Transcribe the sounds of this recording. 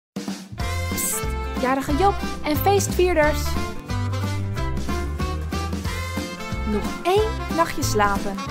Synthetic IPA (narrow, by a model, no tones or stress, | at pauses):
sjaːɾəχəjopɛnfejstfiːɹdəɹs | mutejnːɑχjəslaːpən